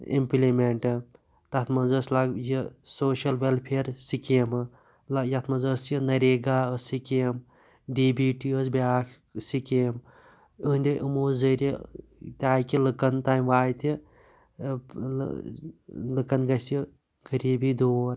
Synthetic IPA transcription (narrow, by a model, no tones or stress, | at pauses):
ḭmplimeɳʈɨ | t̪ɐt̪ʰmɐnzəslaɡjisoːʃɐlʋelpʰeːɾsikemɨ | lɐjɐt̪ʰmɐzəsjinɐɾeːɡaːəsikem | ɖiːbiːʈiəsbʲaːk | sikeːm | ənʲd̪ʲiʔimuːzəɾit̪ʲaːjkilɨkɐnt̪aːjmʋaːjt̪ʰi | lɨkɐnɡɐsji | ɡɐɾiːbid̪oːɾ